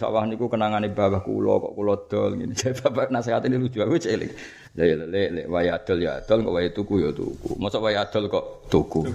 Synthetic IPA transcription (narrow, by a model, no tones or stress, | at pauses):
sa̰wahnikukənaŋanibabahkṵlɔ̰kɔ̰ʔkulɔd̪̥ɔlɡinit͡ʃababanasehat̪inilud͡ʒuakut͡ʃelḭk | leləlelḛwajat̪ɔlja̰d̪̥ɔlkɔʔwajet̪ukujot̪ṵkṵmɔsɔʔwajat̪ɔlkɔʔt̪uku